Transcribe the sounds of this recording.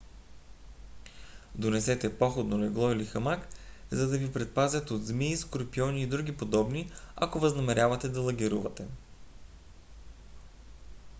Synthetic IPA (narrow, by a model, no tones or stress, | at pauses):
d̪onɛsɛt̪ɛpɔxod̪nolɛɡlˠɔilixɐmakzɐd̪ɐvipɾɛt̪̚pazʲjɐt̪od̪zmiskoɾpiɔniːd̪ɾuɡ̟ʲipod̪ɔbnia̰kovɐznɐmɛɾʲavɐt̪ɛd̪ɐlˠɐɡʲiɾuvɐt̪ɛ